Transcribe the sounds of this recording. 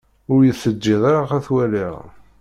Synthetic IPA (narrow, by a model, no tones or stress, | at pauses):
ʊɾjəθːəd͡ʒːiðˤaɾaχæθwæliʁ